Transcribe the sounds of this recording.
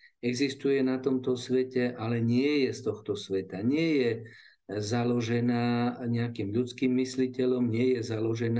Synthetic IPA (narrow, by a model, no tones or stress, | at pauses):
ɛɡzist̪ujɛnat̪ɔmt̪ɔsʋɛcɛʔalɛɲɪɛjɛst̪ɔxt̪ɔsʋɛt̪aɲɪɛjɛ | zalɔʒɛnaːɲɛakiːmʎut͡skiːmːislicɛʎɔmɲɪɛjɛzalɔʒɛn